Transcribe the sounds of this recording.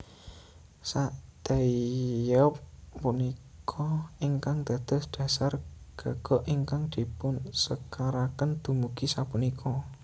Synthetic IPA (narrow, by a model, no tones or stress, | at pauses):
saʔd̪̥ajɔp̚ːunikʰɔiŋkaŋd̪̥ä̤d̪̥ə̤sɖ̪̥ä̤sarɡ̥a̤ɡ̥ɔ̤ʔiŋkaŋd̪̥i̤pʊnsəkaɾakənd̪̥umuɡ̥isapunikʰɔ